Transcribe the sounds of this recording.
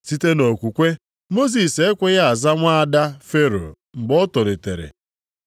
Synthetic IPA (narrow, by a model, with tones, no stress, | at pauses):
si˦te˦no˨kʷu˨kʷe˦ | mo˦z̬i˨se˦kʷe˦ɣa˦a˨za˦ŋʷa˦a˨da˦fe˦ɾo̰˨ | m̩˨bɔ˦to˨ɾe˨te˨ɾḛ˨